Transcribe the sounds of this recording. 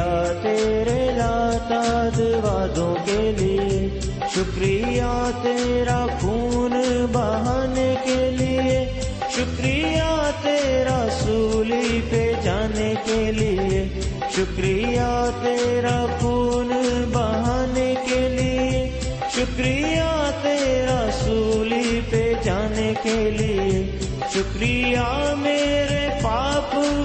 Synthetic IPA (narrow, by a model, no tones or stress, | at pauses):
at̪eːɾelaːt̪ad̪ɪʋaːd̪õkelie | ʃʊkɾijat̪eːɾakuːnbɐɦaːnekelie | ʃʊkɾijat̪eːɾasuːliped͡ʒaːnekelie | ʃʊkɾijat̪eːɾapuːnbəɦaːnekelie | ʃʊkɾijat̪eːɾasuːliped͡ʒaːnekelie | ʃʊkɾijameːɾepaːp